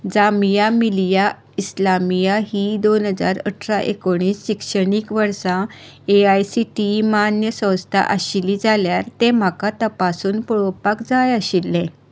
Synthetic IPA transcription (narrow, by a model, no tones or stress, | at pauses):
d͡zamijamilija | islamijaɦiːd̪onɦəd͡za̰ɾə̰ʈʰɾaʔḛkoɽ̃iːsɕikʂəɽ̃iːkʋəɾsãeajsiʈimanjəsə̃wst̪ʰa̰ʔəɕiliːd͡zaljaɾt̪ẽm̤akat̪əpasuːnpɔɭopakd͡zajəɕilːɛ̃